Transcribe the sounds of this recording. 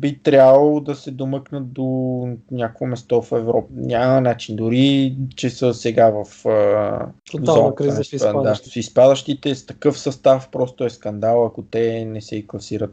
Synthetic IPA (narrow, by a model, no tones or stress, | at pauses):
bit̪ɾʲabɐlˠod̪ɐsɛd̪omɤknət̪̚d̪onʲakoɛmɛst̪ɔfɛvɾɔp̚əɲʲamənat͡ʃind̪ʊɾit͡ʃɛsəsɛɡavɐfə | oaɔnɾiməd̪asispad̪əʃt̪it̪ɛst̪ɐkɤfsɐst̪afpɾɔst̪ʊɛskɐnd̪alˠɐkot̪ɛnɛsɛiklˠɐsiɾət̪̚